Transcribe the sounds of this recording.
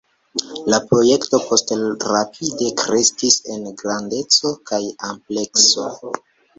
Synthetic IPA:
lapɾo̞je̞kto̞pʰo̞stɾapʰide̞kɾe̞skise̞nɡɾande̞t͡so̞kajample̞kso̞

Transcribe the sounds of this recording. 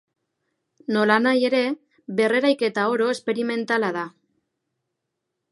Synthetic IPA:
no̞lanaje̞ɾe̞ | βe̞re̞ɾajke̞t̪ao̞ɾo̞espe̞ɾime̞nt̪alaða

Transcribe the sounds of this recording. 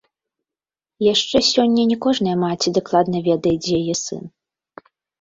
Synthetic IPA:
jaʂt͡ʂɛsʲɔnʲːɐnʲɛkɔʐnɐjɐmat͡sʲid̪aklˠad̪nɐvʲɛd̪ɐjɛd͡zʲjajɛsɨ̰n

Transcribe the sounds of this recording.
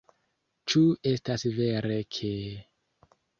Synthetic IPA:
t͡ʃue̞stasve̞ɾekʰe

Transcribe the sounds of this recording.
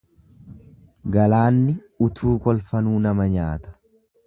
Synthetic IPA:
ɡɐlaːnːɪ | ʊt̪ʰuːkʼɔlfɐnuːnɐmɐɲaːt̪ɐ̥

